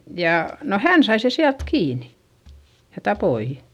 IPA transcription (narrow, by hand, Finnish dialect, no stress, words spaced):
jɑ no hæn sɑi se siælt kiːni̥ jɑ tɑpoi